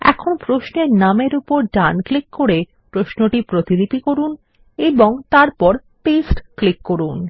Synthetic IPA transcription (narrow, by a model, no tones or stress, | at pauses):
ɛ̰kʰonpɾoʃneɾnameɾupoɾɖanklikkoɾe | pɾoʃnoʈipɾot̪id̪ipikoɾun | eboŋt̪aɾpɔɾ | ʈesʈklikːoɾun